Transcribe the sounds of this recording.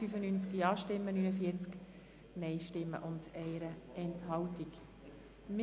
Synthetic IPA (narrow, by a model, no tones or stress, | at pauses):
yfənynt͡skiɑːʃtɪmːənyːnəfiət͡sk | nɛɪʃtɪmːə̰ʔʊndɛɪɾəɛnthɑwtik | m